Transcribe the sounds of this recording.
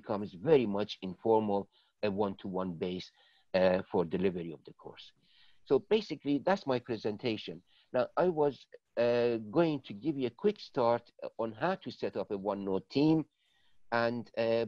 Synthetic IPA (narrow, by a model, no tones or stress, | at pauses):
kʰʌ̃mzvɛɹimʌt͡ʃɪ̃nfɔɹməlˠ | əwʌ̃nt̪ʰuwʌ̃nbeɪs | fɔɹdɪlɪvəɹiɔvd̪əkʰɔ̰ɹsː | obeɪsɪkliðætsmajpʰɹɛzɛ̃ntʰeɪʃɨ̃nː | aʊʔajwʌz | ɡoɪ̃ŋt̪ʰuɡɪvjuəkʰw̥ɪkstɑɹt̪ɔ̃nɦaʊtʰusɛtʌpəwʌ̃nːotʰĩm | æ̃nd